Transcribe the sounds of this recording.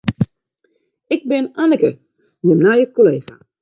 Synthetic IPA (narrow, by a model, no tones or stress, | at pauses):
ɪk̚bɪnanəkə | jənajəkoleːxa̰